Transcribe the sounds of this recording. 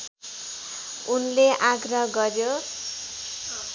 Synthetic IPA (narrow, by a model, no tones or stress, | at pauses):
unleʔaɡrʌɦɡʌrjo